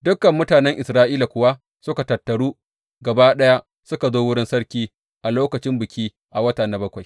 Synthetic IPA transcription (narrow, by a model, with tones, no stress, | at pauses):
dʊ˦kːɐ˨mːʊ˦taː˨nɛ˦ŋʔɪ˨sɾaː˦ʔiː˦la˨kʷʊ˨wa˦ | sʊ˦ka˨tɐ˨tːɐ˨ɽuː˦ | ɡɐ˨baː˦ɗɐ˦ja˦ | sʊ˦ka˨zoː˦wʊ˦ɽɪ˦nsɐ˦ɽkʲiː˦ | ʔa˨loː˦kɐ˨t͡ʃɪ˦mbɪ˨kʲiː˦ | ʔa˨wɐ˦taː˨na˨˦bɐ˦kʷa˨j